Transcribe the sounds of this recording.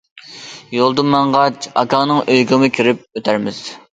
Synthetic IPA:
jolˠd̪ɨmɛɴʁɑt͡ʃɑ̰kɑŋnɨŋøjɡɪmɨkʲʰiɾɪp̚øt̪ʰæɾmɪz̥

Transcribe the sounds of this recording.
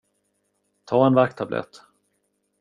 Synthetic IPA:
t̪ʰɑːɛnvak̚t̪ʰablɛ̰t̪

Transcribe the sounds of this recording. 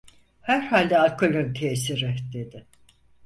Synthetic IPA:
hæɾ̥haːlʲd̪ɛalʲkʰolʲønt̪ʰeːsiɾɪd̪e̞d̪ɪ

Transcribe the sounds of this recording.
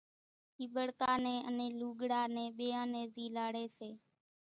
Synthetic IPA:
iːɓəɽkaːnẽːʔənẽːluːɡɽaːnẽːɓeːãːneːziːlaːɽeːseː

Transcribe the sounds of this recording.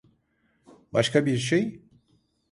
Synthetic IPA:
baʃkʰabiɾʃ̬ej

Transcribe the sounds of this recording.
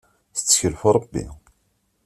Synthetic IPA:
θət͡sːə̥çəlfɾˤəbːḭ

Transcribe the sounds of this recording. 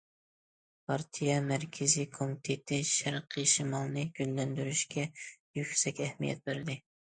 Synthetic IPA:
pʰɑɾt̪ʰijɛmæɾkʲʰɪzikʰomit̪ʰet̪ʰɪʃæɾqʰɨʃimɑlˠnɨɡʲyllːɛnd̪yɾyʃkʲɛjykʲsɛkʲɛhmijɛ̰t̪̚bɪɾɪd̪ɪ

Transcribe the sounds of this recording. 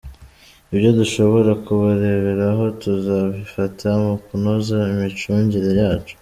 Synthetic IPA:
ibjo̞duʃo̞βo̞ɾakuβaɾe̞βe̞ɾaɦo̞tuzaβifatʰamukunozaimit͡ʃuːɲɟiɾe̞jaːt͡ʃu̥

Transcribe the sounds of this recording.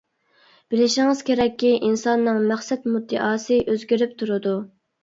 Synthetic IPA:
b̥ɪlɪʃɪŋɨz̥kʲʰeɾɛkʲːiʔinsɑnːɨŋmæχsɛt̪mud̪ːɨʔɑːsɨʔøzɡʲiɾyp̚t̪ʰuɾɨd̪u

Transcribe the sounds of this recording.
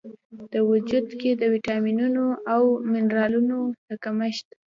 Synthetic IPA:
d̪̥əwʊd͡ʒud̪ked̪əwiʈɑminunoʔawmɪnɾɑlunoləkaməʃt̪

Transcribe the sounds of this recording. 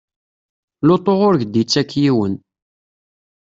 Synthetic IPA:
lot̪ˤoʁʊɾʝd̪it͡sːækːjiwən

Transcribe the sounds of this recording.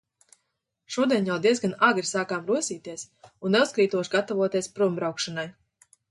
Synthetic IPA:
ʃuɔd̪iɛnjawd̪iɛzɡanaɡɾisaːkaːmɾuɔsʲiːt̪iɛs | unːeuskɾiːt̪uɔʃɡat̪avuɔt̪iɛspɾumbɾawkʃanaj

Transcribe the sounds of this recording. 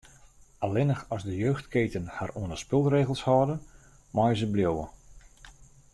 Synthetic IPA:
alɪnəxɔzdəjøːxtkeːtənharuənəspɪlˠreːɣəlˠshɔːdən | mɔjəzəbljowə̰

